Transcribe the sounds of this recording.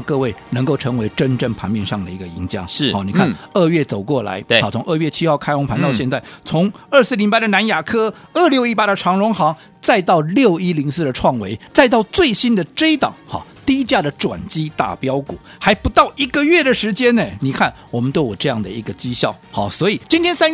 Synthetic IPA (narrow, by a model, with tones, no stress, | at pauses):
kɤ˥˧we˥˩ɪnə˧˥ŋko˥˩ʊʈ͡ʂʰɤ˧˥ŋwe˧˥ɪʈ͡ʂə˥nʈ͡ʂə˥˩ŋpʰa̰˧˥nmjɛ˥˧nʂɑ˥˩ŋd̪ə˩i˧˥ɡə˧i˧˥ŋɕjɑ̰˥˩ŋ̩˥˩ɔ˥˩ni˨˩kʰa˥˩nə˥˧ɥɛ˥˩t͡so˨˩ʊkwɔ˥˩la̰˧˥ɪɔ˧˩ʊ˧˥ŋʔə˥˧ɥɛ˥˩t͡ɕʰi˥xɑ˥˩ʊkʰa˥ɪxʊ˧˥ŋpʰa˧˥nt̪ɑ˥˧ʊɕjɛ˥˧nt͡sa˥˩ɪt͡sʰʊ˧˥ŋə˞˥˧sɹ̩˥˩li˧˥ŋpa˥ɪd̪ə˨na˧˥nja˨˩kʰɤ˥ | ə˞˥˧ljo˥˧ʊi˥˩pa˥ɾə˨ʈ͡ʂʰɑ˧˥ŋɻʊ˧˥ŋxɑ˧˥ŋ | t͡sa˥˧ɪt̪ɑ˥˧ʊljo˥˨˩ʊi˥li˧˥ŋsɹ̩˥˩d̪ə˩ʈ͡ʂʰwɑ˥˩ŋwe˧˥ɪt͡sa˥˧ɪt̪ɑ˥˩ʊt͡swe˥˩ɪɕi˥nd̪ə˨ʈ͡ʂe˥ɪt̪ɑ̰˨˩˦ŋxɑ̰˧˩t̪i˥˧i˦˥t͡ɕja˥˩d̪ə˩ʈ͡ʂwa̰˨˩nt͡ɕi˥t̪a̰˥˩pjɑ˥ʊkṵ˨˩˦ | xa˧˥ɪpu˧˥t̪ɑ˥˩ʊʔi˧˥ɡə˨ɥɛ˥˩d̪ə˩ʂɻ̩˧˥t͡ɕjɛ˥nə˨ni˨˩kʰa˥˩nwɔ˨˩mə˦nt̪we˥˩ɪwɔ˨˩ʈ͡ʂɤ˥˧jɑ˥˩ŋd̪ə˩ḭ˧˥ɡə˧t͡ɕi˥ɕjɑ˥˩ʊxɑ˥˩swɔ˧˥i˨˩t͡ɕi˥nt̪ʰjɛ˥nsa˥n˥